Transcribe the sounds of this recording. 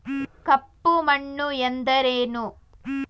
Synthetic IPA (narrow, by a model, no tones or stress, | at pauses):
kɐpːumɐɳːuend̪ɐɾeːnu